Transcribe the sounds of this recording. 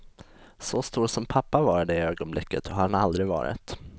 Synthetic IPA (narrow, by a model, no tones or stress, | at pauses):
sɔst̪uːɾsɔmpʰapːavɑːɾad̪ɛɪøːɡɔnblɪ̰kːət̪ʰɔhaɾanald̪ɾɪvɑ̰ːɾɪ̰t̪